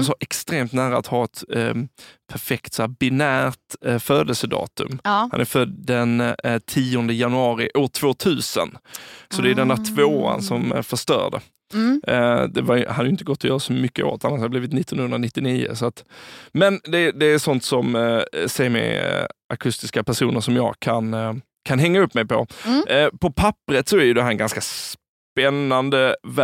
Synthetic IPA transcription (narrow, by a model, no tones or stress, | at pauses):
sɔʔɛkst̪ɾeːmt̪næːɾaːt̪hɑːɛt̪ | pʰæɾfɛkt̪sɔhæːɾbɪnæːɾt̪føːd̪əlsəd̪ɑ̰ːt̪ɵ̰mha̰nʔæɾfœd̪d̪ɛnt̪ʰiːɔnd̪əjanɵɑːɾɪʔoːʈʰv̥oːt̪ʰʉ̟ːsə̰nsɔd̪ɛːd̪ɛnd̪æʈʰvoːa̰nsɔmæ̰ɾfœʂt̪œ̰ːɖə̰ | d̪ɛvaɾjhad̪ːjʏɪnt̪əɡɔt̪ːɔjœːɾasɔmʏkːəʔo̰ːt̪ʰanːaʂhad̪əbliːvɪt̪nɪt̪ːɔnhɵnɾanɪt̪ːɪniːʊ̰sɔat̪mɛnd̪ɛd̪ɛːɾsɔnt̪sɔmsɛjəɾmɛ̰ʔakʰɵst̪ɪskapʰæʂuːnəʂɔmjɑ̰ːɡkʰan | kʰanɦɛŋːaɵpːmɛjpʰɔ̰ | pʰɔpʰapːɾət̪sɔæɾjɵd̪ɛɦæɾɛnɡanskas | pɛnːand̪əv